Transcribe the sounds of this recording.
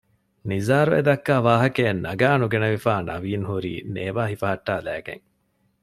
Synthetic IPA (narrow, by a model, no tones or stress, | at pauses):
nizaːɾuḛd̪ɐkːaːʋaːɦɐkenːɐɡaːnuɡenɐʋifaːnʔɐ̰ʋiːnɦuɾḭːneːʋaːɦifɐɦɐʈːaːlæ̰ːɡḛŋ